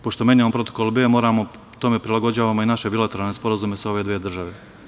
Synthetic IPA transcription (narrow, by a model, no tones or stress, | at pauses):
po̞ʃt̪o̞me̞neonmpɾo̞t̪okolˠbeːmo̞ːɾamo̞ | t̪o̞me̞pɾilˠaɡo̞d͡ʑaːʋaːmoinaʃe̞bilˠat̪e̞ɾalne̞spo̞ɾazume̞sao̞ʋe̞d̪ʋeːd̪r̩ʒaʋe